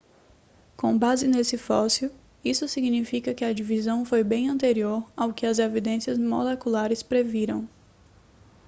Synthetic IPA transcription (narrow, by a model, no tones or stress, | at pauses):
kõbazɪnesɪfɔsjʊ | isʊsiɡnifikɐkɪɐd͡ʒivizɐ̃w̃fojbẽj̃ɐ̃nt̪eɾioɾawkɪɐzevid̪ẽsiɐzmolekulaɾɪspɾeviɾɐ̃w̃